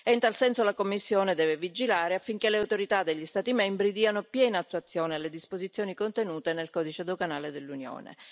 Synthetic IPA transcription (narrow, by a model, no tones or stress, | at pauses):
eint̪alsɛnsolakomːisːjoːned̪ɛːvevid͡ʒilaːɾeafːiŋk̟eleawt̪oɾit̪ad̪eʎːist̪aːt̪imɛmbɾid̪iːanopjɛːnaːt̪ːuat̪sːjoːnealed̪ispozit̪sːjoːnikont̪enuːt̪enelkɔd̪it͡ʃed̪oɡanaːled̪elːunjo̰ːnḛ